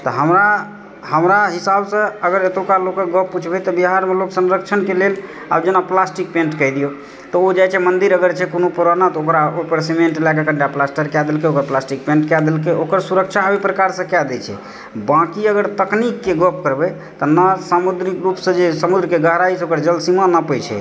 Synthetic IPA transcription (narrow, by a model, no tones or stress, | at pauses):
t̪ɔɦəmɾa | həmɾaɦisabsə̃əɡəɾet̪okalokẽɡəppːut͡ʃʰbɛt̪ɔbiɦaɾmeloksənɾək̚t͡ʃʰənkelel | a̰bd͡ʒenaplasʈik̚pẽɳʈkəɦd̪ijo | t̪ɔod͡ʒajt͡ʃʰɛmənd̪iɾəɡəɾt͡ʃʰɛkonopoɾanat̪ɔokɾaopəɾsimeɳʈelakekəɳɖaplasʈəɾkjad̪elkeokɾaplasʈik̚pẽɳʈkjad̪elkeʔokəɾsuɾəkt͡ʃʰabepɾəkaɾsə̃kjad̪ɛt͡ʃʰɛ̰ | bãkiəɡəɾt̪əknikːeɡəp̚kəɾbɛ | t̪ɔnəsamud̪ɾikɾupsə̃d͡ʒesəmud̪ɾəkeɡəɦɾaisə̃okəɾd͡ʒəlsimanəpəjt͡ʃʰɛ̰